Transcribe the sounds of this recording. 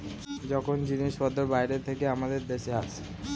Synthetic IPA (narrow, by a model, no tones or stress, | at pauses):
d͡ʑɔkʰond͡ʑiniʃpɔd̪oɾbajɾet̪ʰekeamad̪eɾd̪eʃeat͡ɕʰe̥